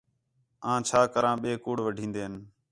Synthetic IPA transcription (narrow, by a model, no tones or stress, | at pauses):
ãːt͡ʃʰaːkəɾãːɓeːkuːɽʋəɖʱĩːnd̪eːn